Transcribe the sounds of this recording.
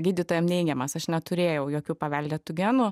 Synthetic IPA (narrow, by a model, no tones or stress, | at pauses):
ɡʲiːdʲɪt̪oːjɛmnʲɛɪɡʲɛmɐsɐʃnʲɛt̪ʊɾʲeːjɛʊjoːkʲuːpɐʋʲɛlʲd̪ʲɛt̪ʊɡʲæːnʊ